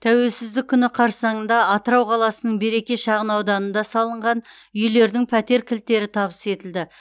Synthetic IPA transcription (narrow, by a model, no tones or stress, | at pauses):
t̪ʰæwe̞lsɪzd̪ɪkʲʰːʏnɪqʰɑɾsɑɴənd̪ɑɑt̪əɾɑwqʰɑlˠɑsənəɴbe̞ɾe̞kʲe̞ʃɑʁənɑwd̪ɑnənd̪ɑsɑlˠəɴʁɑn | ʏjle̞ɾd̪ɪŋpʰæt̪e̞ɾkʲʰɪlt̪ːe̞ɾɪt̪ʰɑβəse̞t̪ɪld̪ɪ